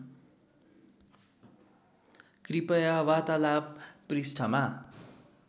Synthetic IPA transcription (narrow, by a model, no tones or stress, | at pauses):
kripʌjawat̪alabːrisʈʰʌma